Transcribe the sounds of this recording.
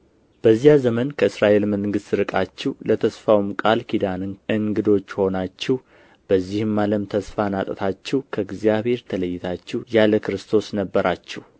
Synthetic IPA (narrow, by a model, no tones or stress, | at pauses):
b̥əzːijazəmənkʰəɨsɾaʔe̞lməŋɡɨst̪ɾɨkʼat͡ʃːɛwlət̪ʰəsfawmkʼalkʰid̪anɨɨŋɡɨd̪o̞t͡ʃːho̞nat͡ʃːɛh | b̥əzːihɨmːaləmt̪ʰəsfanat̪ʼət̪ʰat͡ʃːɛwkʰəɡzijaβhe̞ɾt̪ʰələjːɪt̪ʰat͡ʃːɛjaləkɨɾɨst̪ʰo̞snəbːəɾat͡ʃːɛh